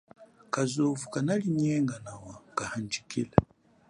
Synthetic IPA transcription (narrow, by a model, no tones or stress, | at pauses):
kazovukanaliɲɛːŋɡanawakahand͡ʒikila